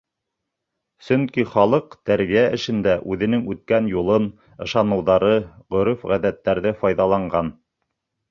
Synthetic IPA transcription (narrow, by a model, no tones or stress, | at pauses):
sɵŋkiχɑlˠɤqt̪æɾβijæɘ̆ʃɘ̆nd̪æʔʉðɘ̆nɘŋʉt̪̚kænjulˠɤn | ɤ̆ʃɑnɤ̆wðɑɾɤʁɵ̆ɾɵfʁæðæt̪ːæɾðɘfɑjðɑlˠɑɴɢɑn